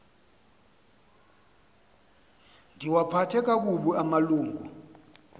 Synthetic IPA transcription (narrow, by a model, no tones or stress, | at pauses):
ndʱiwapʰatʰɛk̬ak̬uɓuamaluːŋɡʱṵ